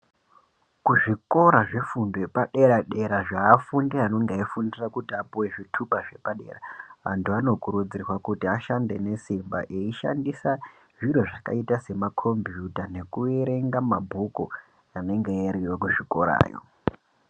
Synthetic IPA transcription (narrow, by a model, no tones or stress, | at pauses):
kuʐiko̞ɾaʐe̞fundoepaɗeɾaɗe̞ɾaʐaːfundiano̞ŋɡeifundirakutiapuwe̞ʐitʰupaʐe̞paɗe̞̰raa̰ntuano̞kuɾud͡zirwakutiaʃande̞ne̞simba̰ʔeiʃa̰ndisa | ʐiɾoʐaka̰itase̞makʰo̞mbjutane̞kueɾe̞ŋɡamabʱuko̰ | ane̞ŋɡejariwekuʐiko̞ɾa̰ːjo̞̰